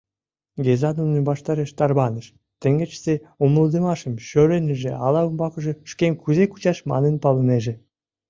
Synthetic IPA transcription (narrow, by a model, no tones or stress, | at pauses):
ɡʲezɑnunnibɑʃt̪ɑɾeʃt̪ɑrβɑnə̆ʃ | t̪ə̆ŋɡɘ̆t͡ɕz̥eomlˠud̪ĕmɑʃə̆mɕøɾenʲɘ̆ʒĕɑlɑumbɑkɤ̆ʒĕʃkʲemʲkyzeku̥t͡ɕɑʃmɑ̰nə̆npɑlɤ̆neʒĕ